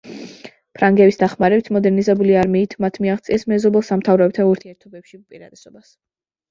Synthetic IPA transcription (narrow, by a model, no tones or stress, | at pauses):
pʰɾaŋɡɛbisd̪aχmaɾɛbit̪ʰmɔd̪ɛɾnizɛbuliaɾmiːt̪ʰmat̪ʰmiaʁt̪sʼiɛsmɛzɔbɛlˠsamt̪ʰavɾɔb̚t̪ʰauɾt̪ʰiɛɾt̪ʰɔbɛpʃiupʼiɾad̪ɛsɔbas